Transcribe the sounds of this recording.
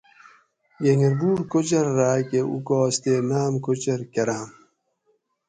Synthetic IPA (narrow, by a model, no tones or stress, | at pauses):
jeŋɡeɾbuːɽkot͡ɕeɾːakeṵkɔːst̪enaːmkot͡ɕeɾkɐɾam